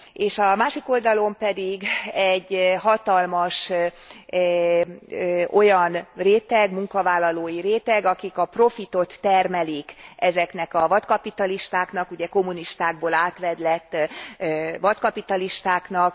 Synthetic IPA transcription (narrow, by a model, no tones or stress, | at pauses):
eːʃɒmaːʃiko̞ld̪ɒlo̞mpɛd̪iɡɛɟːɦɒt̪ɒlmɒʃ | o̞jɒnreːt̪ɛɡmuŋkɒvaːlːɒloːjiɾeːt̪ɛɡɒkikɒpro̞fit̪o̞t̪ːɛrmɛlikɛzɛknɛkɒvɒt̪kɒpit̪ɒliʃt̪aːknɒkuɟɛko̞mːuniʃt̪aːɡ̚boːlaːt̪ʋɛd̪lɛt̪ː | vɒt̪kɒpit̪ɒliʃt̪aːknɒk